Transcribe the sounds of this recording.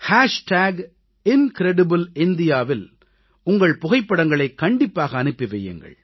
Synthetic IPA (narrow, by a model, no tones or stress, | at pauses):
haːʂʈaːɡ | ɪnkɾɛɽɪbɯlɪnd̪ɪjaːʋɪl | ʊŋɡɐɭpʊɣɐɪpːɐɽɐŋɡɐɭɐɪkːɐɳɖɪpːaːɣɐːnɯpːɪʋɛjːɯ̰ŋɡɐ̰ɭ